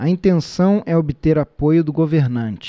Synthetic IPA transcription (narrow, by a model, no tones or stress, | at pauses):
ɐĩnt̪ẽsɐ̃w̃ɛobɪt̪eɾapojʊd̪ʊɡoveɾnɐ̃nt͡ʃɪ̥